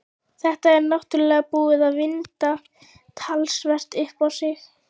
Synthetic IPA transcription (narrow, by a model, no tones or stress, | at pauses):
θɛht̪aɛɾnawht̪ʏlɛːɣapuːɪðaðvɪnt̪a | t̪ʰalsvɛr̥t̪ɪhpawsɪx